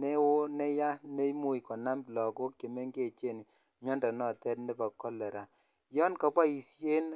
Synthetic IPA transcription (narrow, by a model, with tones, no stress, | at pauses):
ne˦wo˦ne˦ja˦ne˦i˦mu˦i˨kɔ˨na˦mblɔ˨ko˦kje˨me˦ŋɡe˦˨t͡ʃe˦˨n˨ | mɔ˦nda˨nɔ˨tɛ˦tnɛ˦pa˨kɔ˦lɛ˨ɾa˨ | jɔ˦nka˦pwa˦i˨sje˦n